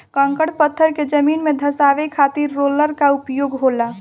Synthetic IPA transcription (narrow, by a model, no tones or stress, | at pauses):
kə̃ŋkəɽpət̪ʰːəɾked͡ʒəminmed̪ʱəsaʋekʰat̪iɾːoləɾkaupjoɡɦola